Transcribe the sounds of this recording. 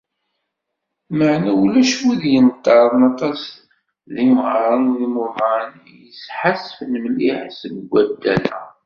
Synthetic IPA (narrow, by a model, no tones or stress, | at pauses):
məʕnæulæʃwiðjənt̪ːɑɾˤðˤnɑt̪ˤɑs | ðiməʁɾˤɑnðimuman | jəsħasəfnəmliħsəɡɡʷːæd̪ːæ̰læ̰